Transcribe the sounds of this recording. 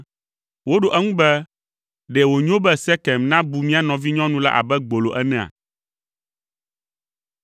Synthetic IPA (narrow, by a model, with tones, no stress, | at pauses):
wo˦ɖo˨ʔɛ˦ŋũ˦bɛ˦ | ɖɛ˨wo˨ɲ˦o˦bɛ˦sɛ˦kɛ˨mnã˦bu˨mĩ˦a˨nɔ̃˨vi˦ɲɔ̃˦nũ˦la̰˦ʔa̰˨bɛ˦ɡ͡bo˨lo˨ʔɛ˦nɛ̃˦˨a̰˨